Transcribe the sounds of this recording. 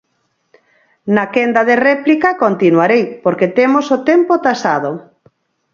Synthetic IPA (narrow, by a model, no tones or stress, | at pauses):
nakɛnd̪aðerɛplikakont̪inwaɾejpoɾket̪emosot̪empot̪asað̞o